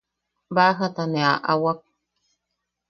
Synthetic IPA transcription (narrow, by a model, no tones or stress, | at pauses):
baɦataneaʔawak̚